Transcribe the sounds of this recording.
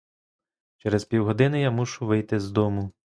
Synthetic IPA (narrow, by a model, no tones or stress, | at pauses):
t͡ʃɛɾɛzpʲiwɦɔd̪ɪnɪjamuʃʊʋɪjt̪ɪzd̪ɔmʊ